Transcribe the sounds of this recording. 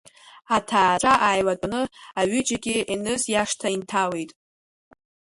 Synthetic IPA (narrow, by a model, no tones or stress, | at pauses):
atʰaːʈ͡ʂʷʼaʔajlakʼnɨaɥʏd͡ʒaɡʲɪʔinɨzjaʂtʰaintʰawe̞jtʼ